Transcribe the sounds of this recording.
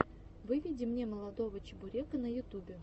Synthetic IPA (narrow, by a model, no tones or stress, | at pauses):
vɨvʲidʲɪmnʲeməlˠɐd̪ovət͡ɕɪbʊɾʲekənəjʊt̪ubʲɪ